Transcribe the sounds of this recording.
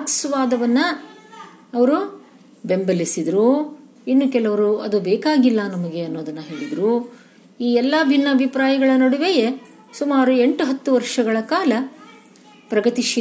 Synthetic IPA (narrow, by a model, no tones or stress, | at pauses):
ksʋaːd̪ɐʋɐnːɐ | ɐʋɐɾu | be̞mbɐlisid̪ɾu | inːukɛlɐʋɐɾuɐd̪ubeːkaːɡilːɐnɐmɐɡeɐnːo̞ːd̪ɐnːɐɦe̞ːɭid̪ɾu | iːɛlːɐbʱinːɐɐbʱipɾaːjɐɡɐɭɐnɐɽuʋe̞je̞ | sumaːɾue̞ɳʈuɦɐt̪ːuʋɐɾʂɐɡɐɭɐkaːlɐ | pɾɐɡɐt̪iʃi